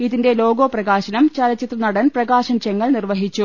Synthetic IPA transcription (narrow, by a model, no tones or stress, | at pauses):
iðinde̞lo̞ːɡoːprɐɣaːɕɐnɐmt͡ɕɐlɐt͡ɕːit̪rɐnɐɽɐnprɐɡaːɕɐnt͡ɕeŋːɐɭnirʋɐɦit͡ɕːu